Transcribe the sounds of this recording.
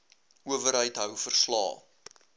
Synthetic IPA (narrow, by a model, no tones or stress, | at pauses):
uəvəɾɦəjtɦœwfərslɑ̰ː